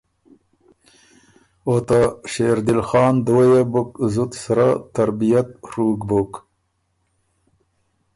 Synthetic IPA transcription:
ot̪aʃeːɾd̪ɪlxɑːnd̪ojebʊkzut̪saɾat̪aɾbijat̪̚ɾuːɡbok

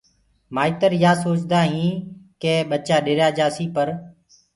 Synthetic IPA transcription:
maːit̪əɾjaːsoːt͡ʃd̪aːɦĩːkeːɓət͡ʃaːɗeːɾjaːd͡ʒaːsiːpəɾ

